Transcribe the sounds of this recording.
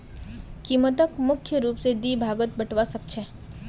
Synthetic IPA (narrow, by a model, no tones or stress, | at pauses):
kiːmət̪əkmʊkʰːjəɾuːpsed̪ibʱaɡət̪̚bəʈʰʋasək̚t͡ʃʰe